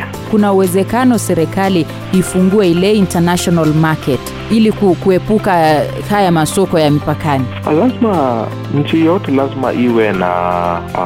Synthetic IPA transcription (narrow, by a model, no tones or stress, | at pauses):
kunauwɛzɛkanɔsɛɾɛkali | ifuŋɡuɛilɛintanaʃɔnalmakɛt | ilikukuɛpuka | hajamasɔkɔjamipakani | lazma | ɲ̩t͡ʃijɔtɛlazma̰ʔiwɛna̰